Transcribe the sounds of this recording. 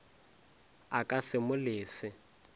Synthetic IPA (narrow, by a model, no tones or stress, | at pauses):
akʼasɪmʊlɪːsɪ